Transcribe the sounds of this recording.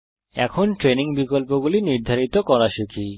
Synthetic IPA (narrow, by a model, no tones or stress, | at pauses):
ɛ̰kʰonʈɾeniŋbikolpoɡuliniɾd̪ʱaɾit̪okɔɾaʃekʰi